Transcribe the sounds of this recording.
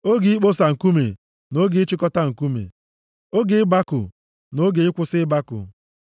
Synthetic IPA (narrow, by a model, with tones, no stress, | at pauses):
o˦ɡi˨˦i˦k͡po˦sa˨ŋ̩˨ku˦me˨ | no˦ɡe˦ɪ˦t͡ʃɪ˦kɔ˦ta˦ŋ̩˨ku˦mḛ˨ | o˦ɡe˨ɪ˦ba˦kʊ̰˨ | no˦ɡe˨ɪ˦kʷʊ˦sɪ˦ɪ˦ba˦kʊ̰˨